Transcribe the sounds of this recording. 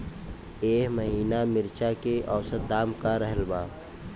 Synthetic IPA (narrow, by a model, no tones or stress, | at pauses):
eːɦməɦiːnamɪɾt͡ʃakeʔɔːsət̪̚d̪aːmkaɾəɦəlbaː